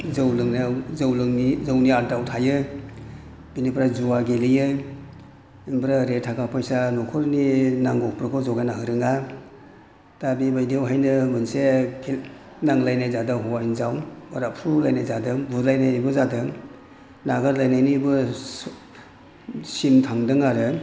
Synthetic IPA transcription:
zawlɯŋnzawlɯŋnizawniaɾdawtʰajɯ | binipʰɾazuwaɡelijɯ | inbɾaɾetʰakʰapʰajsanɔkʰɔɾninaŋɡɔk̚pɾɯkʰɔzɔɡanaɦɯɾɯŋa | d̥abibajdijawɦajnɯmɯnsekʰil | naŋlajnajzadaɦɔwainzawbaɾapʰɾulajnajzadɯŋbulajnajbɯzadɯŋ | naɡaɾlajnajnibɯ | simtʰaŋdɯŋaɾɯ

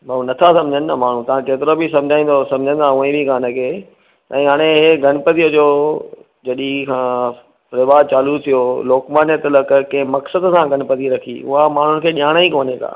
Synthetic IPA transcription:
mɐũnɐt̪ʰasɐ̃md͡ʑʱənnamaːɳ̤ũt̪ɐʋ̤ãkeːt̪ɪɾobɪsɐ̃md͡ʑʱaːĩːn̆d̪osɐ̃md͡ʑʱə̃n̆d̪aːũẽbʱiɡaːnekʰeː | ɛ̃ːɦaːɽ̃eɦeɡʱɐnpət̪ijəd͡ʑoː | d͡ʑɐɗikʰãː | pɾeːʋaːɾt͡ɕaːlut̪ʰijoloːkmaːnət̪əlɐkkɐ̃ɦɪ̃mɐksəd̪sãɡʱɐnpəd̪iɾɐkʰḭːʊ̰ɦamaːɳ̤ʊnɪ̆kʰeːɗiaːɽ̃aikoːneka̰ː

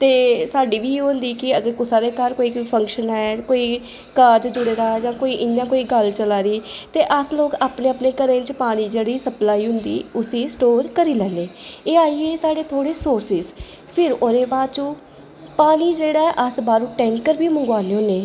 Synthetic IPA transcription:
t̪eːsaːɖiːʋiːɦʊ̃nd̪iːkɪəɡəɾkʊsaːɾeːkəɾkoːiːkpʰə̃ŋkʃənɛːkoːiː | kaːɾd͡ʒd͡ʒʊɽeːɾaːd͡ʒãːkoːiːʔɪnjãːkoːiːɡəlt͡ʃəlaːɾiːt̪eːʔəsloːkaːpneːapneːkəɾẽːt͡ʃpaːniːd͡ʒeːɽiːsəplaːiːɦʊnd̪ḭːʊsiːsʈoːɾkəɾiːlɛːneːeːaːiːeːsaːɖeːt̪ʰoːɽeːsoːɾsɪz | pʰɪɾoːɾeːbaːd̪̚t͡ʃõː | paːniːd͡ʒeːɽaːɛʔəsbaːɾũːʈɛ̃ːŋkkəɾbiːməŋɡʋaːneːɦʊneː

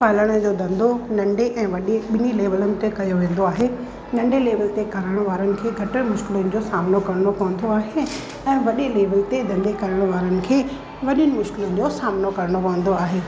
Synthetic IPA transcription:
paːləɽ̃əd͡ʑoːd̪ɐ̃nd̪ʱonɐ̃ɳɖeʔɛ̃ːʋɐɗeɓɪnileːʋəlʊnɪ̆t̪ekɐjoʋẽːn̆d̪oaːɦe | nɐ̃ɳɖeleːʋəlt̪ekɐɾəɽ̃ʋaːɾənɪ̆kʰeːɡʱɐʈəɽ̃mʊʃkɪlʊnɪ̆d͡ʑosaːmnokɐɾəɽ̃opɐʋə̃n̆d̪oaːɦe | ɛ̃ːʋɐɗeleːʋəlt̪ed̪ɐ̃nd̪ekɐɾəɽ̃ʋaːɾənɪ̆kʰeː | ʋɐɗənɪ̆mʊʃkɪlʊnɪ̆d͡ʑosaːmnokɐɾəɽ̃opɐʋə̃nd̪oaːɦeː

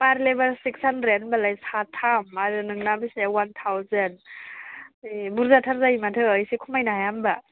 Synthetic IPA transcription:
paɾlebalsiksanɾenbalajsatʰamaɾɯnɯŋnabisewant̪ʰawzen | buɾzatʰaɾzajimatʰɯəjsikʰumajnaɦajamba

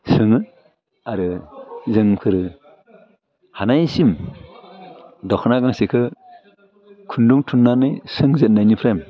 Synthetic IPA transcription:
sɯŋɯ | aɾɯzɯŋpʰɯɾɯ | hanajsim | dɔkʰnaɡaŋsekʰɯ | kʰunduŋtʰunːanɯjsɯŋzet̚najnipʰɾem

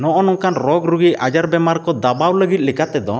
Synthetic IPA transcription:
nɔʔɔnɔŋkanɾɔɡɾuɡiad͡ʒaɾbɛmaɾkɔd̪abawləɡit̪̚lɛkat̪ɛd̪ɔ

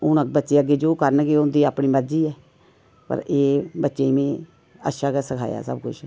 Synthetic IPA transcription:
ʊnəbətːʃeːəɡːeːd͡ʒoːkəɾnkeʊnd̪iːaːpɳiːməɾd͡ʒiːɛː | pə̰ɾeːbətːʃeːmẽː | ə̰ʃaːkəːsəkʰa̰ːja̰ːsə̰bkʊ̰t͡ʃʰ

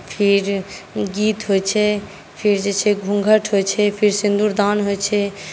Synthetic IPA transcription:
pʰiɾɡiːt̪ɦot͡ʃʰɛ | pʰiɾd͡ʒet͡ʃʰɛɡʱũŋɡʱəʈʰɦot͡ʃʰɛpʰiɾsĩnd̪uɾd̪aːnɦot͡ʃʰɛ

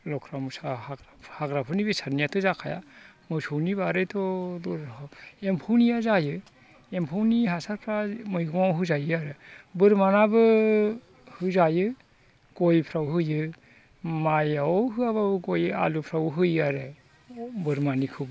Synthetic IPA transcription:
lɔkʰɾamusahaɡɾahaɡɾapʰɯnibesaɾnijatʰɔzakʰaja̰mɯjsʰowniβaɾɯjtʰɔdɔɾempʰownijazajɯ | empʰawniɦasaɾpʰɾamɯjɡɔŋawɦɯzajɯaɾebɯɾmanabɯ | hɯzajɯ | ɡ̥ojpʰɾawɦɯjɯ | majawɦɯaβaɡoja̰lupʰɾawɦɯjaɾe | bɯɾmanikʰɯwbɯ

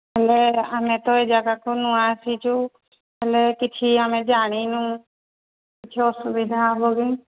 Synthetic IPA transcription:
ɦɛleamẽt̪ɔed͡ʒaɡakonuãsit͡ʃʰu | ɛlekɪt͡ʃʰiamẽd͡ʒaːɽ̃inũ | kɪt͡ʃʰeɔsubid̪ʱaboɡi

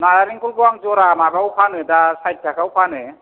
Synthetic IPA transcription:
naɾaɾiŋkulbɔaŋzɔɾamabawpʰanɯdasajt̚kʰakʰawpʰanɯ

